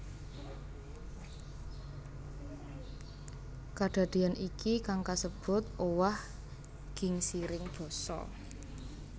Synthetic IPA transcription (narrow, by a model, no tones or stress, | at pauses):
kaɖ̪̥a̤d̪̥e̤anʔikikaŋkasəb̥ʊ̤t̪owah | ɡ̥ɪ̤ŋsiɾɪŋb̥ɔ̤sɔ̰